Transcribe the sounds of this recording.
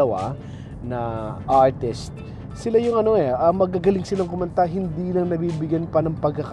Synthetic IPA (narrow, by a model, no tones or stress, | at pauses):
ɐwa̰ | nɐʔaɹt̪ɪst̪̚ | sɪlajʊŋɐno̞ɛɐmɐɡ̚ɐɡɐlɪŋsɪlaŋkʊmɐnt̪aɦɪnd̪iːlɐŋnɐbiːbɪɡjanpɐnɐŋpɐɡkːɐk